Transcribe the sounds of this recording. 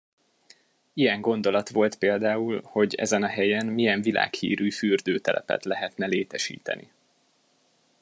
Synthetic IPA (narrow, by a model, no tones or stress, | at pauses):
ijɛŋɡo̞n̪d̪o̞lɒt̪ʋo̞lt̪peːld̪aːulho̞ɟɛ̰zɛnɒɦɛjɛnmijɛɱvila̰ːkhḭːɾyːfyːrd̪øːt̪ɛlʔɛ̰pɛ̰t̪lɛɦɛt̪nɛleːt̪ɛʃḭːt̪ɛ̰nḭ